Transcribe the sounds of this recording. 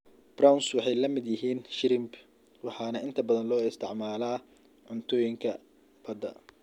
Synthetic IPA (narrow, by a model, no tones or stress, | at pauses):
b̥rawnswɑħɑjlɐmɪd̪jɪɦiːnʃɪɾɪmb | wɑħɑːnɐʔɪnt̪ʰɐbɐðɐnlɔːɪst̪ʰɪʕmaːlaː | ʕʊnt̪ʰɔːjɪŋkʰɐ | b̥ɐd̪ɐ̰